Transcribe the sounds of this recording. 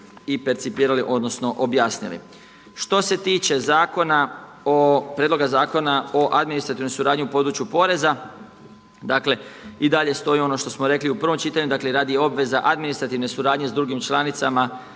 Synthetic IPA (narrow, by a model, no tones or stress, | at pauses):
ipe̞ɾt̪sipiːɾaliʔo̞d̪no̞sno̞ʔobjaːsnḭlḭ | ʃt̪o̞se̞t̪iːt͡ʃe̞zaːko̞na | opɾed̪lo̞ɡazaːko̞nao̞ʔad̪minist̪ɾat̪iʋno̞jsuɾaːd̪ɲiupo̞d̪ɾut͡ʃjupo̞ɾe̞za | d̪akle̞id̪aʎe̞st̪o̞io̞no̞ʃt̪o̞smoɾe̞kliupɾr̩ʋomt͡ʃiːt̪aɲud̪akleɾaːd̪ijeo̞bʋe̞zaʔad̪minist̪ɾat̪iʋne̞suɾaːd̪ɲezd̪ɾuɡimt͡ʃlˠanit̪sama